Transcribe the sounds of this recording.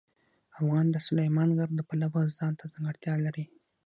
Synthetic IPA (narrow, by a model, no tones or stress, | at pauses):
afɣɑnd̪əsʊlajmɑnɣaɾd̪əpalawəzɑnt̪ʰazaŋɡəɽt̪jɑlaɾi